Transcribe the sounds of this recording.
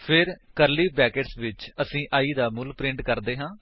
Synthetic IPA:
pʰɪɾkəɾliːbɛːkeʈsʋɪt͡ʃəsĩːʔaːiːd̪aːmʊlpɾɪ̃ɳʈkəɾd̪eːɦãː

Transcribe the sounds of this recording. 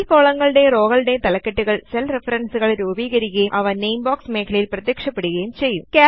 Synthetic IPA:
koːɭɐŋːɐɭɨɽe̞ro̞ːɣɐɭɨɽe̞t̪ɐlɐkːeʈːuɣɐɭselrefɐɾɐnsuɣɐɭɾuːbiːɣɐɾikʲːɐjumʔɐʋɐnejmbaːksmeːkʰɐlɐjilprɐt̪jekʂɐpːeɽuɣɐjumt͡ɕe̞jːumkaː

